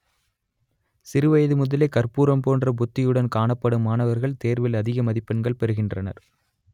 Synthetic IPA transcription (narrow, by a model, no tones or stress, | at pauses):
sɪɾɯʋɐjɐðɯmʊðɐlekːɐrpuːɾɐmpoːndrɐbʊt̪ːɪjɯɽɐnkaːɳɐpːɐɽɯmaːnɐʋɐɾɣɐɭt̪eːɾʋɪlɐðɪɣɐmɐðɪpːɐnɡɐɭpɛɾɯɣɪndrɐnɐ̰ɾ